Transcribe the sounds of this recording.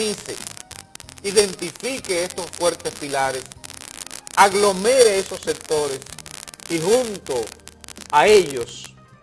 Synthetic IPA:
isḛ | iðe̞nt̪ifikeest̪o̞sfwe̞ɾt̪e̞spilaɾes | aɣlo̞me̞ɾeesosːek̚t̪o̞ɾe̞sihunt̪o | ae̞ʎos

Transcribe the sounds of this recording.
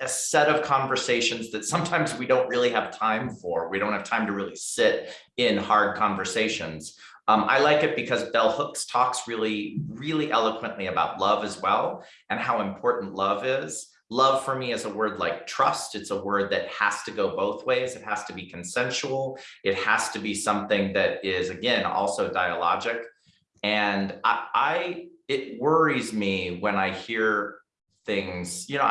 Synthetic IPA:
ɨsɛɾʌv̥kʰɑ̃ɱvə˞seɪʃɨ̃nzðɨtsʌ̃mtʰãɪ̃mzwidõʊ̃nʔ̚ɹɪlˠiɨv̥tʰãɪ̃ɱfə˞wiɾõʊ̃n̚ɨv̥tʰãɪ̃mtɨɹɪlˠisɪɾ | ɪ̃nhɑɹd̚kʰɑ̃ɱvə˞seɪʃɨ̰̃nz̥ | ʌ̃mʔa̰ɪlaɪkɨt̚b̥ɨkʰʌzbɛlˠhʊkstʰɔksɹɪlˠiɹɪlˠiʔɛlˠəkʰwə̃nʔliɨbaʊtˡlʌvɨzwɛlˠ | ɨ̃nɦaʊɨ̃mpʰɔɹʔn̩ʔlʌvɪz̥ | lʌv̥fə˞miɨzəwɜ˞dˡlaɪk̚tʰɹ̥ʌstɨtsəwɜ˞d̪̚ðɨt̚hæ̰z̥tɨɡoʊboʊθweɪzɨt̚hæz̥tɨbikʰn̩sɛ̃nʃul̩ˠɨt̚hæz̥tɨbisʌ̃mθɪ̃ŋðɨɾɪzɨɡɛ̃nɔ̰lˠsoʊdaɪəlɑ̰d͡ʒɨk | ɨ̃naɪʔaɪɪt̚wɜ˞izmiwɨ̃naɪhiɹ | θɪ̃ŋz̥jɨnoʊ

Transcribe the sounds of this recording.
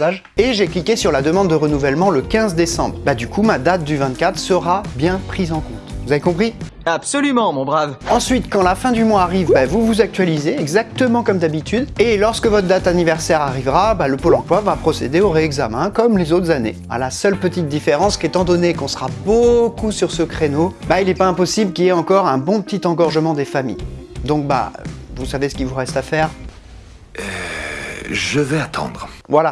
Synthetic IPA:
aʒ | eʒeklikʲesyʁlad̪əmɑ̃d̪ːəʁənuvɛlmɑ̃ləkʲɛ̃zd̪esɑ̰̃bʁbad̪ykʰumad̪at̪̚d̪yvɛ̃t̪̚kat̪χsəʁabjɛ̃pχizɑ̃kɔ̃t̪vuzavekɔ̃pχi | apsɔlymɑ̃mɔ̃bʁavɑ̃sɥit̪kɑ̃lafɛ̃d̪ymwaːʁivbɛvuvuzak̚t̪ɥalizeɛɡzak̚t̪əmɑ̃kɔmd̪abit̪yd̪elɔʁskəvɔt̪χd̪at̪anivɛʁsɛʁaʁivʁabaləpolɑ̃plwavapχɔsḛd̪eoʁeɛɡzamɛ̃kɔmlezot̪χəzanḛ | a̰lasœlpət̪it̪̚d̪ifeʁɑ̃sket̪ɑ̃d̪ɔnekɔ̃sʁabokusyʁsəkχenobailɛpaɛ̃pɔsiblkʲilɛɑ̃kɔʁɛ̃bɔ̃pət̪it̪ɑ̃ɡɔʁʒəmɑ̃d̪efamḭjd̪ɔ̃k̚ba̰vusavesə̥kʲivuʁɛst̪afɛːʁ | ø | ʒəvɛat̪ʰɑ̰̃d̪ʁvwala

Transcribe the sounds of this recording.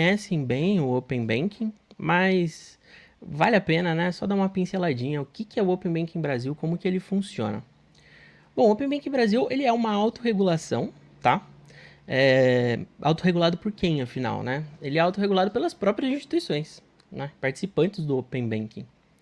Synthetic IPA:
ɲɛsẽj̃bẽj̃ʊopẽj̃bẽkʰĩmɐs | valɪapẽnɐnɛsɔd̪aũmɐpĩselad͡ʒĩɲɐʊkɪkɪɛʊopẽbẽkĩbɾaziwkõmʊkɪelɪfũsiõ̰nɐ̰ | b̥õʊopẽbẽkĩbɾaziwelɪɛũmɐawt̪ʊɦeɡulasɐ̰̃w̃ | t̪a | ɛ | ʔa̰wt̪ʊɦeɡulad̪ʊpʊɾkẽj̃ɐfina̰wnɛelɪɛawt̪ʊɦeɡulad̪ʊpelɐspɾɔpɾiɐzĩst͡ʃi̥t̪uisõj̃s | nɛpaɾt͡ʃi̥sipɐ̃nt͡ʃɪzd̪ʊopẽbẽkḭ̃

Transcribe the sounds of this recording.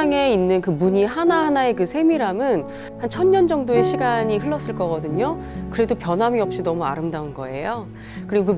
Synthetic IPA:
ŋe̞inːɯnkɯmuɲiɦanaɦanae̞kɯsʰe̞miɾamɯn | hant͡ɕʰʌɲɲʌnd͡ʑʌŋdoe̞ɕʰiɡaɲiɸɯɭːʌs͈ɯɭk͈ʌɡʌdɯɲo | kɯɾe̞dopjʌnɦamiʌp̚ɕ͈inʌmua̰ɾɯmdaunɡʌ̰e̞̰jo | kɯɾiɡokɯ

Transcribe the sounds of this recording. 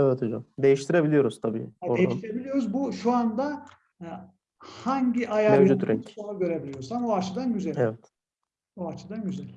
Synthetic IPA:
evɛt̪ʰod͡ʒa̰md̪e̞jiʃt̪ʰiɾebilʲijo̞ɾuzt̪ʰabḭːoeiʃt̪ʰiɾe̞bilʲijo̞ɾuzbuʃuand̪a | haɲɟiʔajamed͡ʒut̪ɾɛɲonuɡɟø̞ɾe̞bilʲijoɾsamoaɾt͡ʃʰɯd̪anɟyzɛlʲevɛt̪ | oaɾt͡ʃʰɯd̪anɟyzɛlʲ

